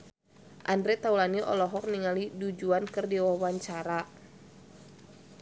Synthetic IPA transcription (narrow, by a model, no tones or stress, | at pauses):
ʔandɾɛt̪aulaniʔɔ̰lɔɦɔk̚niŋalidud͡ʒuankɨrdiwawaɲt͡ʃaɾa